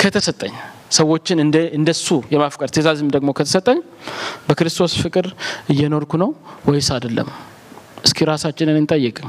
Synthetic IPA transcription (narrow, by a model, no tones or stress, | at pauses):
kʰət̪ʰəsət̪ʼːəɲ | səwːo̞t͡ʃːɪnɨɨnd̪əsujɛmafkʼəɾt̪ʰezazɨmd̪əɡmo̞kʰət̪ʰə̥sət̪ʼːəɲː | bəkɨɾɨst̪ʰo̞sfɨkʼɨɾɨjːɛno̞ɾkʰunəwwɔjsad̪əlːə̰m | ʔɨskʰiɾasat͡ʃːɪnɨnent̪ʼəjːɛkʼɨ